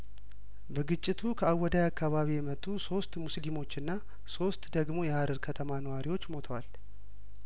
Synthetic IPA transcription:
bəɡɨt͡ʃʼːɪt̪ʰukʰəawːɔd̪ajakːaβaβijɛmət̪ʼːuso̞st̪muslimo̞t͡ʃːɨnːa | so̞st̪d̪əɡmo̞jɛhaɾɨɾkʰət̪ʰəmanəwaɾiwo̞t͡ʃːmo̞t̪ʰəwal

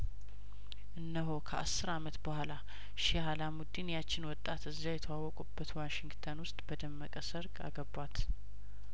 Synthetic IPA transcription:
ʔɨnːəɦokʰəʔa̰sːɨɾamət̪bəhʷala | ʃihalamud̪injat͡ʃːɪnwɔt̪ʼːat̪ɨzːajɛt̪ʰəwawːɔkʼubːət̪waʃɪŋɡt̪ʰənwʊst̪ʼbəd̪əmːəkʼəsəɾɡʼa̰ɡəbat̪

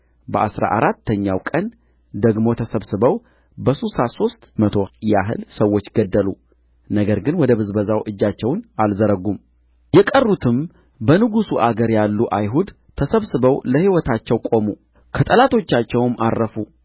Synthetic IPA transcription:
bəʔa̰sɾa̰ʔaɾat̪ʰːəɲːawkʼən | d̪əɡmo̞t̪ʰəsəβsɨbəw | bəsusaso̞st̪ʼmət̪ʰo̞jaɦɨ̰lsəwːot͡ʃːɡəd̪ːəlu | nəɡəɾɡɨnwɔd̪əβɨzbəzawʔɨd͡ʒːat͡ʃːɛwnalzəɾəɡum | jɛkʼərːut̪ʰɨm | bənɨɡusuʔaɡəɾjalːuʔajɦud̪ | t̪ʰəsəβsɨβəwləhiwɔt̪ʰat͡ʃːɛwkʼo̞mu | kʰət̪ʼəlat̪ʰo̞t͡ʃːat͡ʃːɛwmarːəfu

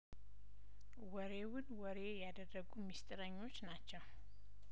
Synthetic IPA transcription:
wɔɾe̞wʊnwɔɾe̞jad̪ərːəɡumist̪ʼɨɾəɲːo̞t͡ʃːnat͡ʃːɛw

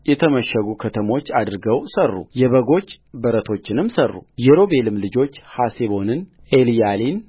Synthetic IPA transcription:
jɛt̪ʰəməʃːəɡukʰət̪ʰəmo̞t͡ʃːad̪ɨɾɨɡəwsərːṵjɛβəɡo̞t͡ʃː | bəɾət̪ʰo̞t͡ʃːɪnɨmsərːṵjɛɾo̞be̞lɨmlɨd͡ʒo̞t͡ʃːhaseβo̞nɨn | elijalin

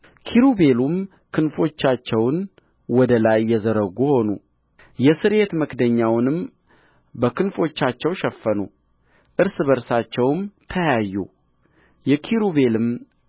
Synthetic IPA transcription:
kʰiɾube̞lum | kʰɨnfo̞t͡ʃːat͡ʃːɛwn | wɔd̪əlajːɛzəɾəɡuho̞nṵ | jɛsɨɾe̞t̪məkd̪əɲːawnɨm | bəkʰɨnfo̞t͡ʃːat͡ʃːɛwʃɛfːənu | ʔɨɾsɨβəɾsat͡ʃːɛwmt̪ʰəjajːṵ | jɛkʰiɾuβe̞lɨm

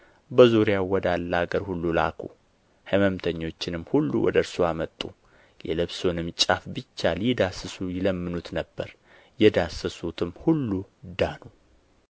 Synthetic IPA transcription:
bəzuɾjawwːɔd̪alːəaɡəɾhulːula̰kʰṵ | həməmt̪ʰəɲːo̞t͡ʃːɪnɨmːhulːṵwɔ̰d̪əɾsoamət̪ʼːu | jɛlɨβso̞nɨmt͡ʃʼafbɨt͡ʃːaljɪd̪asɨsujɪləmːɨnut̪nəbːəɾ | jɛd̪asɨsut̪ʰɨmhulːud̪anu

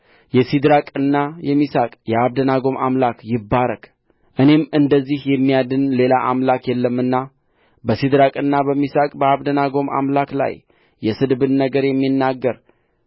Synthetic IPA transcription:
jɛsid̪ɾakʼɨnːajɛmisakʼjɛaβd̪ənaɡo̞ma̰mlakjɪbːaɾəkʼ | ʔɨne̞mɨnd̪əzːihjɛmːijad̪ɨnle̞laʔamlakjɛlːəmːɨnːa | bəsid̪ɾakʼɨnːabəmːisakʼbəaβd̪ənaɡo̞ma̰mlakla̰jː | ɛsɨd̪bɨnːnəɡəɾjɛmːinːaɡːəɾ

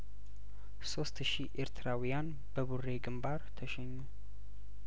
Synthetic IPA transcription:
so̞st̪ʃiʔeɾt̪ʰɨɾawijan | bəβure̞ɡɨmbaɾt̪ʰəʃɛɲːu

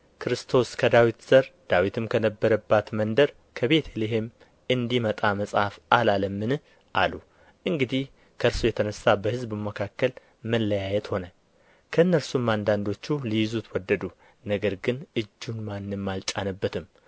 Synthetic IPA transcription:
kʰɨɾɨst̪ʰo̞skʰəd̪awit̪z̥əɾd̪̥awit̪ʰɨmkʰənəbːəɾəbːat̪mənd̪əɾ | kʰəβe̞t̪ʰeleɦe̞m | ɨnd̪imət̪ʼaməsʼhafʔalaləmːɨn | ʔalu | ʔɨŋɡɨd̪ih | kʰəɨɾsujɛt̪ʰənəsabəhɨzbɨməkʰakːəl | məlːəjajɛt̪ho̞nə | kʰəɨnːəɾsumːand̪and̪o̞t͡ʃːulijɪzut̪ʰwɔd̪ːəd̪u | nəɡəɾɡɨnɨd͡ʒːunmanːɨmːalt͡ʃʼanəbːət̪ʰɨm

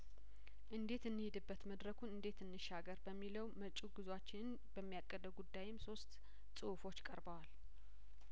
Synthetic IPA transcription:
ʔɨnd̪e̞t̪ɨnːɨhɪd̪ɨbːət̪məd̪ɾəkʰunɨnd̪e̞t̪ʰɨnːɨʃaɡəɾbəmːiləwmət͡ʃʼuɡɨzwat͡ʃːɪnn | bəmːijakʼːəd̪əɡud̪ːajɪmso̞st̪ | sʼɨufo̞t͡ʃːkʼəɾbəwal

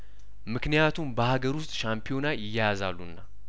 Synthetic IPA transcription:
mɨknijat̪ʰumbəhaɡəɾʊst̪ʼʃampʰijo̞najɪjːajazalːunːa

